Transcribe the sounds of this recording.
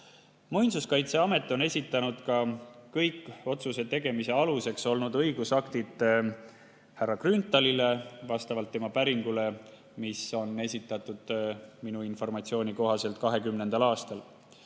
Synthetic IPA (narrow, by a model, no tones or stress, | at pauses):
mujnsuskɑjt̪se̞ɑme̞t̪ːˑo̞ne̞sʲit̪ːˑɑnud̪̥kɑkɤjkːˑo̞t̪suse̞t̪e̞ɡ̥e̞mise̞ɑluse̞kso̞lnud̪ɤ̞jɡ̥usɑkt̪id̪̥ | hærːɑkrynt̪ːˑɑlile̞vɑst̪ɑvɑlt̪ːe̞mɑpæɾiŋɡ̥ule̞ | miso̞ne̞sʲit̪ːˑɑt̪ːˑud̪̥minuinfo̞rmɑt̪sio̞ːnʲiko̞ɦɑse̞lt̪̚kɑɦe̞kymnend̪ɑlɑːst̪ɑl